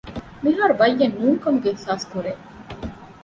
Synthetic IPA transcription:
miɦaːɾuʋɐjːɐnːuːŋkɐmuɡeehsaːskuɾe

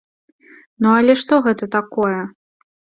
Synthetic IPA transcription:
nuɐlʲɛʂt̪ɔɣɛt̪ɐt̪akɔjɛ

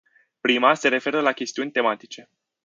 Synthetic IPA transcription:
pɾimase̞ɾe̞fe̞ɾəlakʲe̞st̪iunʲt̪e̞mat̪it͡ʃe̞

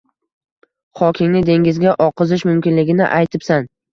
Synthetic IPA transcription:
χɒkʲʰɪŋnɪd̪e̞ŋɡʲɪzɡʲaʔɒqʰɨzɪʃmʊmkʲɪnlɪɡʲɪnɪ̰ʔajt̪ʰɪpsan

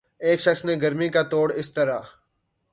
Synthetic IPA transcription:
eːkʃɐksneɡɐɾmikat̪oːɽɪst̪ɐɾaː

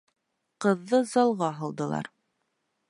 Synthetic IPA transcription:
qɤ̆ðːɤzɑlˠʁɑɦɤlˠd̪ɤ̆lˠɑ̰ɾ

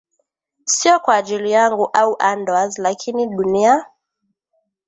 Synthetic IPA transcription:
siɔkwaːʄilijaŋɡuʔauʔandwazlakʰiniɗunia

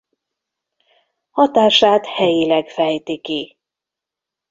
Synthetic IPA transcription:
hɒt̪aːʃaːt̪hɛjilɛɡfɛjt̪iki

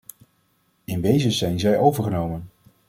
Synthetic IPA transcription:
ɪndejzəzɛjnzɛjʔowvəɹχənowmən

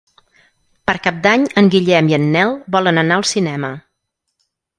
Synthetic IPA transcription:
pəɾkap̚d̪aɲəŋɡiʎɛmiənːɛlˠbɔlənənaəlˠsinɛmə

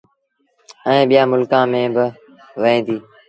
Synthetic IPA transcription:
əẽːɓɪjãːmʊlkãːmẽːbɪ | ʋeẽːd̪iː

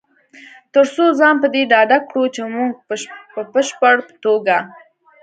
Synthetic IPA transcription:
t̪əɾsozɑnpəd̪eɖɑd̪akɽut͡ʃemuŋɡ̚pəpəʃpəɽpə̥t̪oɡa

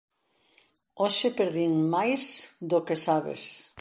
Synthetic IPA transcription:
oʃepeɾðiŋmajsd̪okesaβḛs

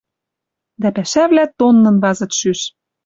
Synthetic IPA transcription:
d̪æpæʃævlæt̪onːɤ̆nβɑzɤ̆t̪ʃyʃ

